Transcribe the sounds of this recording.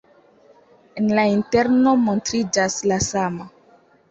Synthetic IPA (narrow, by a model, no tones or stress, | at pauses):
enlainte̞ɾno̞mo̞ntɾid͡ʒaslasama